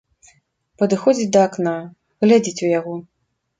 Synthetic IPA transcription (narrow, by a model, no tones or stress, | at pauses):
pɐd̪ɨxɔd͡zʲit͡sʲd̪ɐːkna | ɣlʲad͡zʲit͡sʲujaɣɔ